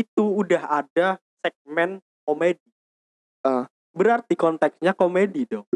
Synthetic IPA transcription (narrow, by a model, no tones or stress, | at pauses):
it̪uːdaɦada | sɛk̚mɛn | komedi | ə | bəɾart̪ikɔnt̪ɛksɲakomedidɔŋ